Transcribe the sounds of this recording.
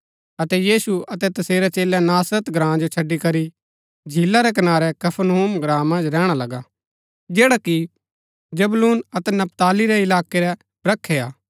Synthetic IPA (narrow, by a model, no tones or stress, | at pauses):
ɐt̪ɛjiːsuɐt̪ɛt̪ɐseːɾɛt͡ʃeːlanaːsɾət̪ɡɾãːd͡ʒot͡ʃʰɐɖːikɐɾi | d͡ʒʱilːaɾɛk̬ɐnaːɾɛkɐpʰənɦuːmɡɾãːmːɐ̃nd͡ʒɾɛːɽ̃alɐɡa | d͡ʒeːɽaki | d͡ʒɐbluːnɐt̪ɛnɐp̚t̪aːliɾɛɪlaːkeɾɛ | bɾɐkʰːeaː